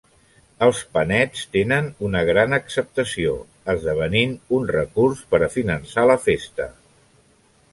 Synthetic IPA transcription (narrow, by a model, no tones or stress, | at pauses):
əlˠspənɛt͡st̪enənunəɣ̞ɾanəksəp̚t̪əsio̰ | əzðəβ̞əninunrəkurspəɾəfinənsaləfest̪ə